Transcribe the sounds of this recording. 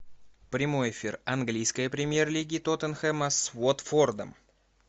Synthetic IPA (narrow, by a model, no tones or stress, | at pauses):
pɾʲɪmo̞jɪfʲirɐnɡlʲijskəjəpɾʲɪmʲjerlʲiɡʲɪt̪ot̪ənxɛməsvot̪ford̪ə̰m